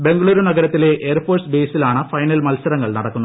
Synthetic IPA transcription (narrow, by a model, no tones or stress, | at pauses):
be̞ŋɡɐɭuːɾunɐɡɐɾɐt̪ːile̞ʔʔeɐrfo̞ːrsbe̞ːsilaːɳɨfɐjnɐlmɐlsɐɾɐŋːɐɭnɐɽɐkːunː